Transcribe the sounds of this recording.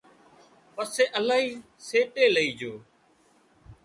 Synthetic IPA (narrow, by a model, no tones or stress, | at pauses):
pəseːʔəlaːɦiː | seːʈeːləiːd͡ʒoː